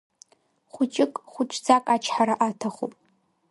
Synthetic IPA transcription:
χʷʊt͡ʃʼɪkʼχʷʊʈ͡ʂʼʰd͡zakʼat͡ʃʰħaɾaʔatʰaχṵpʼ

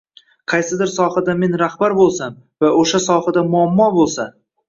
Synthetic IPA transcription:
qʰɑjsɪd̪ɪɾsɒhad̪ame̞nɾahbaɾbolˠsam | vaoʃasɒhad̪amʊamːɒbolˠsa

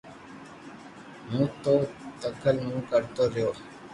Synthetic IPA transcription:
mũːt̪oːt̪əkʰəlmũːkəɾt̪oːɾjoː

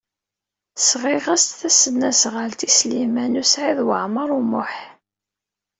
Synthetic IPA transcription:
sʁiʁæst̪θæsənːæsʁəlt̪islimænusʕiðwəʕməɾˤumʊħ

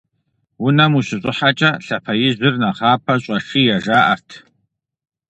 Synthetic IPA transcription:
wʊnɐmuɕɪɕʼɪħat͡ʃʼɐɬɐpʰɐjɪʑʷɪrnɐχɑːpʰɐɕʷʼɐʂiːjɛʒaːʔɐ̰rtʰ

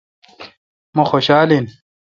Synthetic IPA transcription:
mɐxoːɕaːlin

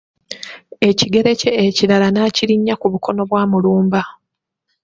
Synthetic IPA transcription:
e̞ciɡe̞ɾe̞ce̞ːciɾalanaːciɾiɲːakuβuko̞no̞βwaːmuluːmba

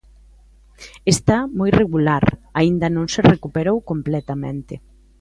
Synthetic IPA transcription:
est̪amojreɣulaɾaind̪ɐnõŋserekupeɾowkomplɛt̪amẽnt̪ɪ

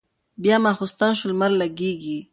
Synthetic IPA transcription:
bjɑmaxʊst̪anʃʊlmaɾlaɡeɡi

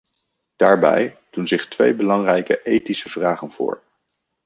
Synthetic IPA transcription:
d̥aːɹbɛ̰j | d̥unzɪχtʋḛjbəlɑŋrɛjkəʔejtisəv̥raːχənvʊ̰ːɹ

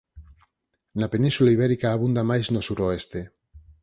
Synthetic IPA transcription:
napenĩnsulaiβ̞ɛɾikaːβ̞und̪amajznosuɾoest̪e

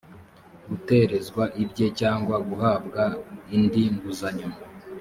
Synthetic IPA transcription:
ɡute̞ɾe̞zɡwaʔibɟe̞caːŋɡwaɡuɦaːbɡaindiŋɡuzaɲuma

